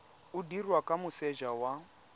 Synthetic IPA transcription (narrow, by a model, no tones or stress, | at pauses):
udirwakʼamʊsɛʒawa